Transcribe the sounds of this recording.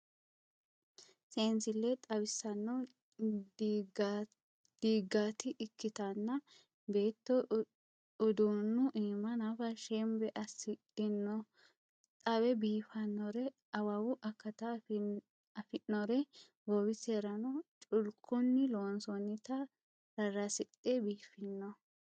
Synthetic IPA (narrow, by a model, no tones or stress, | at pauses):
seːnsɪlːɛt̪ʼɐbɪsːɐnːɔ | d | d̪̥iːɡaːt̪ɪʔɪkːɪt̪ɐnːɐ | be̞ːt̪ːɔ | ʊd̪unːʊʔiːmɐnafɐʃɛmbɛʔɐsɪdɪnːɔ | t̪ʼɐbɛbiːfɐnːɔɾɛ | ɐwawʊʔɐkːɐt̪ɐ | ɐfɪʔːɔɾɛ | ɡowɪseɾɐnɔt͡ʃʼʊlkʰːʊnːɪloːnsɔnːɪt̪ɐ | ɾɐrːɐsɪtʼːebiːfɪnːɔ